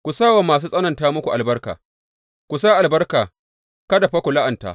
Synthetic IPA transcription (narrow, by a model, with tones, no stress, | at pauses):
kʷu˨saː˦wa˨maː˨s̬uː˦sʼɐ˦nɐ˨ntaː˦mʊ˦kʷu˨ʔa˨lbɐ˦rka̰ː˨ | kʷu˨saː˦ʔa˨lbɐ˦rkaː˨ | kɐ˦da˨ɸɐ˦kʷu˨la˦ʔɐ˨nta̰ː˨